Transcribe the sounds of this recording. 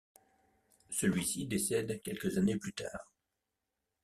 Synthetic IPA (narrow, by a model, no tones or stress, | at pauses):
səlɥisid̪esɛd̪kʲɛlkəzaneplyt̪a̰ːʁ